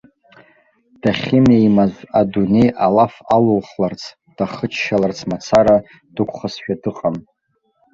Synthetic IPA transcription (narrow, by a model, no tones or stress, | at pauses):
d̥aχʲɪmejmazʷadune̞jʔalafalulχlart͡sʰ | d̥aχət͡ʃʰʃalart͡sʰmat͡sʰaɾa | d̥ɨkʷʰχasʃᶣadɨqʼam